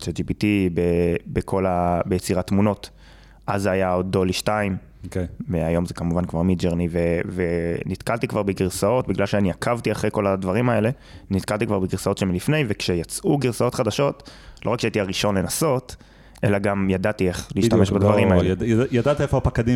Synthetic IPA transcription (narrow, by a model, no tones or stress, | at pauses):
t͡ʃed͡ʒipitibebekʰo̞labejet͡siʁat̪muno̞t | ʔazajaod̪o̞liʃtaim | kveajo̞mzekamuvankvaʁmid͡ʒeʁnivevenit̪kalt̪ikvaʁbeɡiʁsao̞tbiɡlalʃeaniakʰavtiaχʁejko̞ladvaʁimae̞le̞ | nit̪kalt̪ikvaʁbeɡiʁsao̞tʃemlifne̞jvekʃejat͡sʔuɡiʁsao̞tχad̪aʃo̞tlo̞ʁakʃeaitiaʁiʃo̞nle̞naso̞t | ʔe̞̰laɡamjadat̪ie̞χliːʃt̪ameʃbad̪vaʁimaeejad̪at̪iefoapakad̪i